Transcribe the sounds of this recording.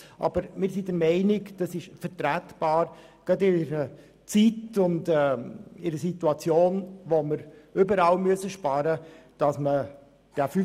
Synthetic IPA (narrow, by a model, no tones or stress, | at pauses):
ʔɑ̰bəɾmɪːɾsidəɾmɛɪnɪkd̥ɑsɪʃfəɾtɾætb̥ɑːɾ | ɡ̥ɑdɪɾə | t͡sitʊndɛːɪɾəsituɑt͡sjoːnʋoməɾybəɾɑlmyəsəʃpɑɾə | d̥ɑsmə | d̥ɛfy